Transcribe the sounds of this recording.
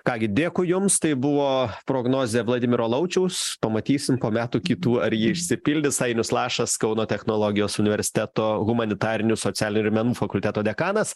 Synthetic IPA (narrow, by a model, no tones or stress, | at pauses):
kɑːɡʲɪd̪ʲeːkʊjʊmst̪ɐɪbʊʋoːpɾoːɡnoːzʲeʋlˠɐd̪ʲɪmʲɪɾoːlˠɐʊt͡ʃʲɛʊspɐmɐt̪ʲiːsʲɪmpoːmʲæːt̪uːkʲɪt̪uːɐɾjɪːɪʃʲsʲɪpʲɪlʲd̪ʲɪsɐɪnʲʊslˠɑːʃɐskɐʊnoːt̪ʲɛxnoːlˠoːɡʲɪjoːsʊnʲɪʋʲɛɾʲsʲɪ̥t̪ʲæːt̪oːɣʊmɐnʲɪt̪ɑːɾʲɪnʲʊsoːt͡s̪ʲæːlʲɪnʲʊɪɾmʲɛnuːfɐkʊlʲt̪ʲæːt̪oːd̪ʲɛkɑːnɐs